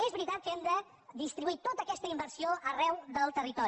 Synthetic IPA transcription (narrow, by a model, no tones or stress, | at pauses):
ezβɾit̪at̪̚kɛmd̪ə | ðist̪ɾiβuit̪ot̪əːkɛst̪əimbəɾsioʔərɛwðəlˠt̪ərit̪ɔɾ